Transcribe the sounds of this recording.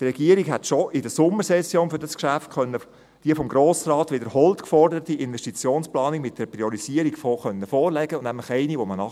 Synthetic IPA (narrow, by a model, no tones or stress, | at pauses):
trɛɡ̥iəɾiɡɦɛtʃoʔɪdəsʊmːəɾsɛsjoːnfʏɾdɑskʃæftχœnːə | d̥iəfɔmɡɾoːsrɑːt̪ʋɪdəɾhɔltkfɔrdəɾətiʔɪnʋɛʃtit͡sjoːnsplɑːnikmɪt̚d̥ɛɾpɾiɔɾisiəɾikfoχœnːəfɔːɾlɛɡənnæmləχɛɪniʋɔmənɑ